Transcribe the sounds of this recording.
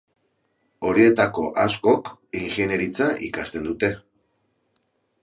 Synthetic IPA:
o̞ɾie̞t̪ako̞ʔasko̞kiŋxene̞ɾit͡saʔikast̪e̞nd̪ut̪e̞

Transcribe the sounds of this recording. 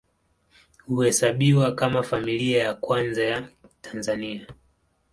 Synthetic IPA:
huhɛsaɓiwakamafamiliajakwanzajatʰḁnzania

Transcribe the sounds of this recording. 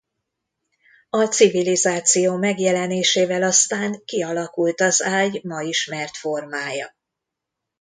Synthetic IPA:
ɒt̪sivilizaːt̪sijoːmɛɡjɛlɛneːʃeːvɛlɒst̪aːŋkiɒlɒkult̪ɒzaːjmɒiʃmɛrt̪fo̞rmaːjɒ

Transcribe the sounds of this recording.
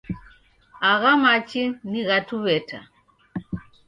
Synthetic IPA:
aɣamat͡ʃiniɣatuβɛtʰa̰

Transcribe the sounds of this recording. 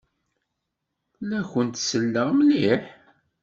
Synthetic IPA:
læçənt̪səlːəʁmliħ

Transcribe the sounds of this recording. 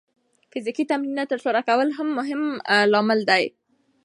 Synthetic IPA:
fɪzikit̪amninat̪əɾsoɾakawəlɦamːʊɦɪmlɑmɪld̪aj

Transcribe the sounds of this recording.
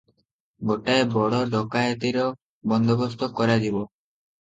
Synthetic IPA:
ɡoʈaebɔɽɔɖɔkajt̪iɾɔ | bɔnd̪ɔbɔst̪ɔkɔɾad͡ʒibɔ

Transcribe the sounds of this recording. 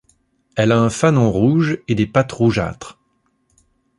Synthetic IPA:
ɛlaɛ̃fanɔ̃ʁuʒed̪epat̪ʁuʒa̰ːt̪χ

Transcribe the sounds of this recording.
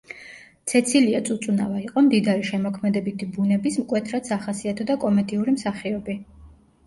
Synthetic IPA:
t̪sʰɛt̪sʰiliat̪sʼut̪sʼuna̰vaiqʼɔmd̪id̪aɾiʃɛmɔkʰmɛd̪ɛbit̪ʰibunɛbismkʼwɛt̪ʰɾat̪saχasiat̪ʰɔd̪akʼɔmɛd̪iuɾimsaχiɔbi

